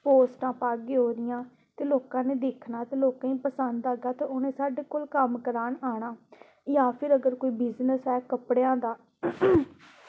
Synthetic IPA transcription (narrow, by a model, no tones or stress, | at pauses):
poːsʈãːpaːɡeːɦoːɾɪjãː | t̪eːloːkãːneːd̪eːkʰnaːt̪eːloːkãːĩːpəsənd̪aːɡaːt̪eːoːnẽːsaːɖeːkoːlkəmkəɾaːnaːɳaː | jãːpʰɪɾəɡəɾkoːiːbɪznəsɦɛːkəpɽejãːd̪aː